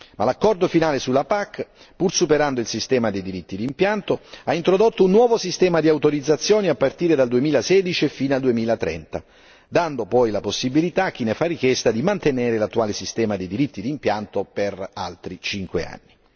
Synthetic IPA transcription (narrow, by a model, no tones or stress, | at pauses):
malakːɔrd̪ofinaːlesulːapakː | pursupeɾand̪oilsist̪ɛːmad̪ejd̪iɾit̪ːid̪iːmpjant̪oaint̪ɾod̪ot̪ːounːwɔːvosist̪ɛːmad̪iawt̪oɾid̪zat̪sːjoːniapːart̪iːɾed̪ald̪uemiːlasɛːd̪it͡ʃiefiːnald̪uemiːlat̪ɾɛ̰nt̪a̰ | d̪and̪opɔjlaposːibilit̪ak̟ːinefarːik̟jɛst̪ad̪imant̪eneːɾelat̪ːuaːlesist̪ɛːmad̪ejd̪iɾit̪ːid̪iːmpjant̪opera̰lt̪ɾit͡ʃiŋkwḛa̰nːi